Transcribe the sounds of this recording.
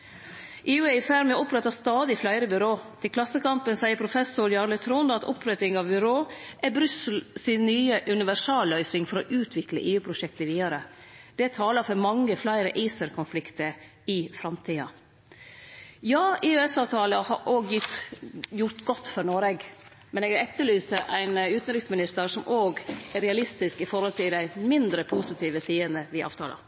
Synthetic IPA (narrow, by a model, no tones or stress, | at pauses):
ʔeːʉːæfæɾmɛʊpɾɛt̪ɑst̪ɑːd̪ɪflæɪɾəbʏɾoːt̪ʰɪlkʰlɑsːəkɑmpənsæɪəɾpʰɾʊfɛsʊɾjɑːɾlət̪ʰɾuːnd̪ɑt̪ʊ̰pʰɾɛt̪ɪŋɑʋbʏɾoːʔæbɾʉsəl̩sɪnːyːəʔʉnɪʋæʂɑːlːœʏsɪŋfɔɾɔʔʉːt̪ʰʋɪklə̰ʔeːʉːpʰɾʊʃɛkt̪əʋiːd̪ɑɾəd̪̥ɛt̪ʰɑːlɑɾfɔɾmɑŋːəflæɪɾəʔiːsəɾkʰʊnflɪkt̪əɾ | ɪfɾɑmt̪ʰiːɑ | jɑːʔeːʉɛsɑːʋt̪ʰɑːləhɑɾʔoːɡjɪt̪jʊɾʈ̪ɡɔt̪ːfɔɾɳoːɾeɡ | mɛneːɡɾɛt̪ːəlyːst̪əʔæɪnʉːt̪nɾɪksmɪnɪst̪əɾsɔmʔoːɡæɾɛɑlɪst̪ɪskɪfɔɾhɔlt̪ʰɪld̪æɪmɪnd̪ɾəpʰusɪt̪ʰiːʋəsiːənəʋɪʔɑ̰ːʋt̪ʰɑːlɑ̰